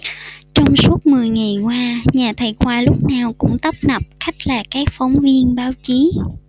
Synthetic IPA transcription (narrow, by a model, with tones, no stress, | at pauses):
t͡ɕɔ˧wŋ͡msu˦˥ət̚mɨ˨˩əjŋa˨˩jkwaː˧ɲaː˨˩t̪ʰə˨˩jkwaː˧lʊ˦˥k͡p̚naː˨˩wkʊ̰˧˥ŋ͡mt̪ə˦˥p̚nə˨˩p̚xa˦˥jk̟̚laː˨˩kaː˨˦˥k̚fɔ˨˦wŋ͡mvi˧ənɓaː˨˦wt͡ɕi˨˦